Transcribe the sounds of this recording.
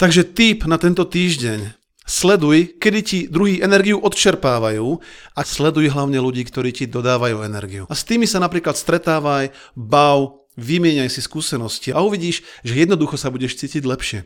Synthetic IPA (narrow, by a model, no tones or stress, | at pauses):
t̪aɡʒɛt̪iːpnat̪ɛnt̪ɔt̪iːʒɟɛɲ | slɛd̪ujkɛd̪icid̪ɾuɦiːʔɛnɛɾɡiuʔɔt̪t͡ʃɛɾpaːʋajuːaslɛd̪ujɦlaʊɲɛluɟiːkt̪ɔɾiːcid̪ɔd̪aːʋajuːɛnɛɾɡiuast̪iːmisanapɾiːklat̪st̪ɾɛt̪aːʋaj | baʊ | ʋimɪɛɲajsiskuːsɛnɔsciauʋiɟiːʃʒɛjɛd̪nɔd̪uxɔsabuɟɛʃt͡siːciɟlɛpʃɪɛ